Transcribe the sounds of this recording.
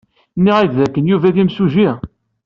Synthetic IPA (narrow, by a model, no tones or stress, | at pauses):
nːiʁæd̪ðækːənjuvæðimsuʒi